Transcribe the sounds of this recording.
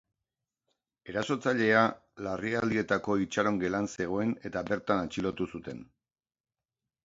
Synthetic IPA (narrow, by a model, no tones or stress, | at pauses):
e̞ɾaso̞t͡saʎe̞alariald̪ie̞t̪ako̞it͡ʃaɾo̞ŋɡe̞lanse̞ɣ̞o̞e̞ne̞t̪abe̞ɾt̪anat͡ʃilo̞t̪usut̪e̞̰n